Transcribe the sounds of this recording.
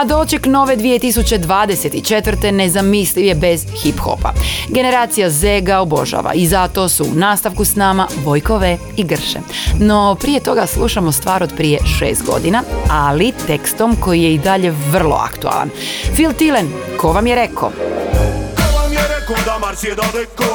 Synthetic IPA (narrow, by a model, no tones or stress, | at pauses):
ad̪ot͡ɕekno̞ːʋe̞d̪ʋije̞t̪isut͡ɕed̪ʋaːd̪ese̞t̪it͡ʃe̞t̪ʋrt̪e̞ne̞zamisliʋje̞be̞zxipxo̞̰pa̰ɡe̞ne̞ɾaːt̪sijazeɡaobo̞̰ʒa̰ʋa̰izat̪o̞sṵːnaːst̪aʋkusnaːmabo̞jko̞ʋe | iɡr̩ʃḛno̞pɾije̞t̪o̞ɡaslˠuʃamost̪ʋaːɾod̪pɾije̞ʃḛːst̪̚ɡo̞̰d̪inaalit̪e̞kst̪o̞mko̞jije̞id̪aʎe̞ʋr̩lˠo̞̰a̰kt̪ua̰lˠa̰nfilˠt̪ilenkʰo̞ʋamjeɾe̞kʰo̰ | koʋamjeɾekod̪amaed̪od̪ik